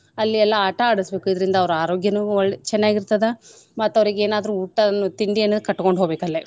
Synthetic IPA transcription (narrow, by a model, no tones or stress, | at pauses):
ɐlːiɛlːɐaːʈɐaːɽisbe̞ːkuid̪ɐɾind̪ɐːʋɐɾuaːɾoːɡjɐnuɔɭːt͡ʃɛnːaːɡiɾt̪ɐd̪e | mɐt̪ːɐʋɐɾiɡeeːnaːd̪ɐɾuuːʈːɐnːut̪iɳɖienːɐd̪kɐʈːko̞ɳɖɦo̞ːbeːkɐlːe